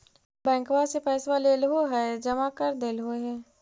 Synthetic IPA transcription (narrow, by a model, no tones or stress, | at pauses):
bɛ̃ːŋkʋasepɛːswaleːlɦoɦɛd͡ʒɐmakəɾd̪eːlɦoɦɛː